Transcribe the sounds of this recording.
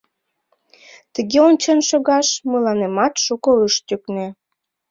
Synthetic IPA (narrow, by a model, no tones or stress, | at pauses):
t̪əɣeont͡ɕənʃoɣɑʃməlɑnemɑt̪ʃukoəʃt̪ykne